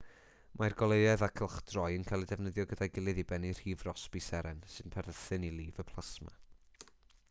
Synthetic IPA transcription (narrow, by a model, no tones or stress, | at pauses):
mʔajrɡɔlˠejɛðakʰəlˠχd̥rɔjənkʰajlˠidɛvnəðjɔɡədajɡɪlˠɨðibɛnir̥iːvrɔsb̥isɛɾɛnsɨnpʰɛrðəθɨnilˠiːvəpʰlˠasma̰